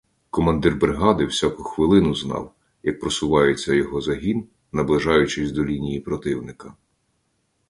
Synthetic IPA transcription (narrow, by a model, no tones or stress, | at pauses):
kɔmɐnd̪ɪrbɾeɦɑd̪ɪwsʲakʊxʋɪlˠɪnʊznɑ̰w | jɐk̚pɾɔsʊʋɑjet͡sʲːɐjɔɦɔzɐɦʲin | nɐblˠɪʒɑjʊt͡ʃɪsʲd̪ɔlʲinʲijipɾɔt̪ɪwnɪkɐ